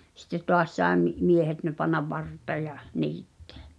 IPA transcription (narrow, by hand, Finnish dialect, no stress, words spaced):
sitːe toɑs sɑe mi miehet ne pɑnːɑʋ ʋɑrtˑeː jɑ niːtːe̥æ̥